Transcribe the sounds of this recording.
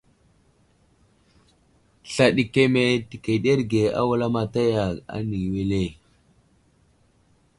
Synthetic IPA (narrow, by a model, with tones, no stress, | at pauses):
ɬa˨ɗi˨ke˦me˦ti˨ke˨ɗe˦ɾɡe˨a̰˦wa˦la˦ma˨ta˦ja˨ka̰˦ni˨ɡwe˦le˦˨